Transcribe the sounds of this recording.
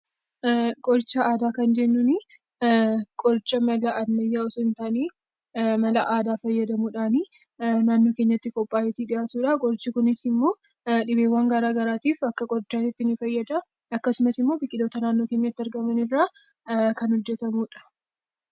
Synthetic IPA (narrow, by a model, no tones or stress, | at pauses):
kʼɔɾt͡ʃːɐʔaːd̪aːkɐnd͡ʒɛnːuni | kʼɔɾt͡ʃːɐmɐlɐʔɐnɐjːaːɔsʊɪnt̪aːneː | mɐlɐʔaːd̪aːfɐjːɐd̪ɐmuːᶑaːni | naːnːoːkeɲːɐt̪ːɪkʼɔpʼːaːjɛt̪iːᶑɪʔaːt̪uːᶑɐkʼɔɾt͡ʃːɪkʊnɪsɪmːo̞ː | ᶑɪbeːwːaːŋɡaːɾaːɡɐɾaːt̪iːfɐkːɐkʼɔɾt͡ʃːaːt̪ɪt̪ːɪnɪfɐjːɐd̪ɐ | ɐkːɐsʊmɐsɪmːo̞ːbɪkʼːɪd̪o̞ːt̪ɐnaːnːo̞ːke̞ːɲːɐt̪ːɪɐɾɡɐmɐnɪrːaː | kɐnhɔd͡ʒːɛt̪ɐmuːᶑɐ̥